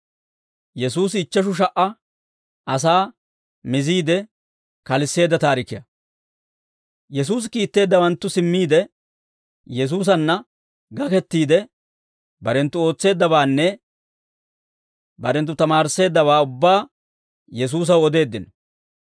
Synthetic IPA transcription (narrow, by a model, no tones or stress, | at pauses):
jɛsuːsɪɪt͡ʃːɐʃ̬ʊʃ̬ɐʔɐ | ɐs̬aː | mɪziːd̪ɛ | kɐlɪsːe̞ːd̪ːɐt̪aːɾɪkːɪjɐ | jɛs̬uːs̬kiːt̪ːe̞ːd̪ːɐwɐnt̪ːʊsɪmːiːd̪ɛ | jɛs̬uːs̬ɐnːɐ | ɡɐkɛt̪ːiːd̪ɛ | bɐɾɛnt̪ːʊo̞ːt͡sːe̞ːd̪ːɐbaːnːɛ | bɐɾɛnt̪ːʊt̪ɐmaːɾɪsːe̞ːd̪ːɐβaːʊbːaː | jɛs̬uːs̬ɐwɔd̪e̞ːd̪ːɪnɔ